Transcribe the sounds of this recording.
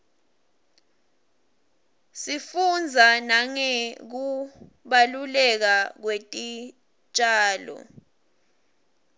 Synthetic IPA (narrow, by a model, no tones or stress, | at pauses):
sifund͡zʱanaŋɛk̬u | ɓalulɛk̬ak̬wetʼi | t͡ʃʼaːlɔ̰